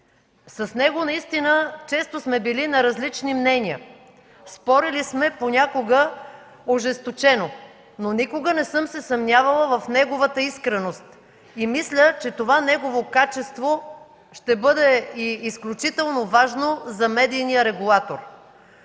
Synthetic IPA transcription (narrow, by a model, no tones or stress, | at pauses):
sɐsnɛɡonɐist̪inət͡ʃɛst̪osmɛbilinɐɾɐzlit͡ʃnimnɛnʲiə | spɔɾilismɛponʲakoɡə | oʒɛst̪ot͡ʃɛno | nonikoɡənɛsɤmsɛsɐmnʲavɐlˠəvɐfnɛɡovət̪əiskɾɛnost̪ | imislʲət͡ʃɛt̪ovanɛɡovokat͡ʃɛst̪vo | ʃt̪ɛbɤd̪ɛiːsklʲut͡ʃit̪ɛlˠnovaʒnozɐmɛd̪ijnijəɾɛɡulˠat̪oɾ